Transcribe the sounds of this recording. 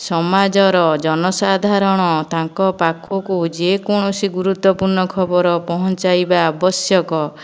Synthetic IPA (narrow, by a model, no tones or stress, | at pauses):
sɔmad͡ʒɔɾɔd͡ʒɔnɔsad̪ʱaɾɔɽ̃ɔt̪aŋkɔpakʰokud͡ʒekoɽ̃ɔsiɡuɾut̪wɔpuɾnɔkʰɔbɔɾɔpɔɦɔnt͡ʃajbaːbɔsjɔkɔ